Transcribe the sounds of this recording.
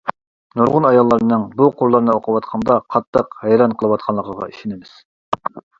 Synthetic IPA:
nuɾʁʊnɑjɑlˠːɑɾnɨŋbuqʰʊɾlˠɑɾnɨoqʰəwɑt̪qʰɑnd̪ɑqʰɑt̪ʰːəqhɛjɾɑnqʰəlˠɨwɑt̪qʰɑnlˠəqʰəʁɑ̰iʃinɪmɪz̥

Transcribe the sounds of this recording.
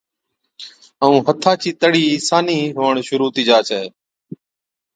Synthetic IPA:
əũːɦət̪ʰaːt͡ʃʰiːt̪əɽiːsaːniːɦoːəɳʃʊɾuːt̪iːd͡ʒaːt͡ʃʰɛeː

